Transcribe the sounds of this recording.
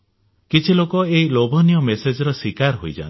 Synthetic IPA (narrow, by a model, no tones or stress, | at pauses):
kit͡ʃʰilokɔeɦilobʱɔnijɔmesed͡ʒɔɾɔswikaɾɦojd͡ʒa̰n